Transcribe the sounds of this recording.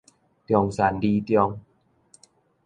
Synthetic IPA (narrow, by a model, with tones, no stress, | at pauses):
t̪jɔ˧ŋsa˨˩˦ndiː˧t̪jɔ˧ŋ